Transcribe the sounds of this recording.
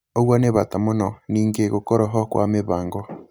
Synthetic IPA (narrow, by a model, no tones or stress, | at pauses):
oɣwaneβatamonɔniːŋɡeɣokɔɾɔɦɔkwa̰meβaːŋɡɔ